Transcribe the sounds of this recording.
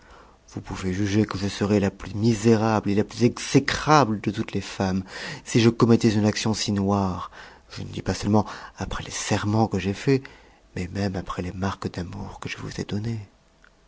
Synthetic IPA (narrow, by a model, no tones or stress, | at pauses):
vupuveʒyʒekəʒəsəʁɛlaplymizeʁablelaplyzɛksekχabləd̪ət̪ut̪lefamsiʒəkɔmɛt̪ɛzynaksjɔ̃sinwaʁ | ʒ̥ə̰nəd̪ipasœlmɑ̃apχɛlesɛʁmɑ̃kəʒefɛ | mɛmɛmapχɛlemaʁkd̪amuʁkəʒəvṵzḛd̪ɔne